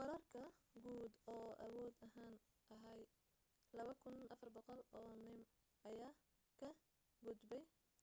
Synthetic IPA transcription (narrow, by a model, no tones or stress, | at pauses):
wɑɾɐːrkʰɐɡuːd̪ɔːʔɐwɔːd̪ɐɦaːn | ʔɐɦɛj | lɐβɐkʰʊnʔɐfɐrbɔqɔlɔːnɪm | ɐjaː | kʰɐ | ɡʊd̪bɛj